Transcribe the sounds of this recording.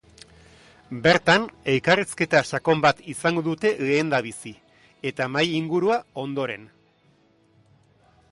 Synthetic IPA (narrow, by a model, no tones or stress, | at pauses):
be̞ɾt̪ane̞lkariske̞t̪aʃako̞mbat̪isaŋɡo̞ðut̪e̞le̞ːnd̪aβ̞isi | e̞t̪amajiŋɡuɾuao̞nd̪o̞ɾe̞n